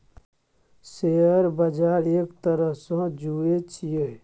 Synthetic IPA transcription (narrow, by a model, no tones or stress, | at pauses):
seːəɾbəd͡ʒaːɾeːkt̪əɾəɦsãd͡ʒuet͡ʃʰije